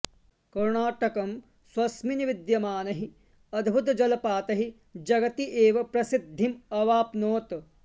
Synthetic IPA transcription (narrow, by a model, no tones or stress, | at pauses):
kɐɾɳaːʈɐkɐm | swɐsminiʋid̪jɐmaːnɐɦi | ɐd̪ʱbʱut̪ɐd͡ʒɐlɐpaːt̪ɐɦi | d͡ʒɐɡɐt̪iʔeːʋɐpɾɐsid̪ʱːimɐʋaːpnoːt̪